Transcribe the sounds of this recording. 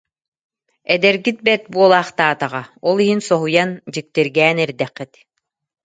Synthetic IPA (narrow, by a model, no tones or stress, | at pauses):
ɛd̪ɛɾɡit̪̚bɛt̪̚buɔlˠaːχt̪aːt̪aʁaɔlˠiɦinsɔɦujand͡ʑik̚t̪iɾɡɛːnɛɾd̪ɛqːit̪